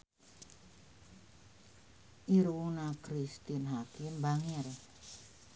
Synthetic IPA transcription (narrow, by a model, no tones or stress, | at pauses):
ʔiɾunakɾist̪inɦakimbaŋeɾe